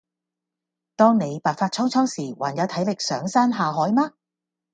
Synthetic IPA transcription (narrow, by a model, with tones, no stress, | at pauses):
t̪ɔː˥ŋne˨˧jpaː˨k̚faː˧t̚t͡sʰɔ˥wt͡sʰɔː˥wsiː˨˩waː˨˩njɐ˨˧wt̪ʰɐ˨˥jlɪ˨k̚sœː˨˥ŋsaː˥nɦaː˨ɦɔː˨˥jmaː˥